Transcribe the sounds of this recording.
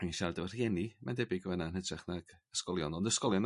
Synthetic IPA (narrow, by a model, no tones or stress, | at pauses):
anʃardəvər̥jɛnimɛ̰ndɛbiɡəvɛnanhɛtʰrɛχnaɡ̥əskɔlˠjɔnɔndəskɔlˠjɔn